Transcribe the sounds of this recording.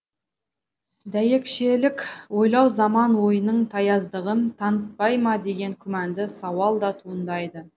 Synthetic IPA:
d̪æje̞kʃe̞lɪkʲwo̞jlˠɑwzɑmɑnwo̞jənəɴt̪ʰɑjɑzd̪əʁənt̪ʰɑnət̪̚pɑjmɑd̪e̞ɡʲe̞ŋkʲʰʏmænd̪ɪsɑwɑlˠd̪ɑt̪ʰuənd̪ɑjd̪ə

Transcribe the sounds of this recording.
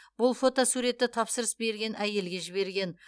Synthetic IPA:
b̥ʊlˠfo̞t̪osuɾe̞t̪ːɪt̪ʰɑpsəɾəsbe̞ɾɡʲe̞nʔæje̞lɡʲe̞ʒɪβe̞ɾɡʲe̞n

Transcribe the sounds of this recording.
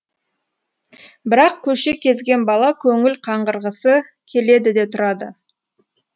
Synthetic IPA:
bɪɾɑqkʲʰɵʃe̞kʲʰe̞zɡʲe̞nbɑlˠɑkʲʰɵŋɪlqʰɑɴʁəɾʁəsə | kʲʰe̞le̞d̪ɪd̪e̞t̪ʰʊɾɑd̪ə

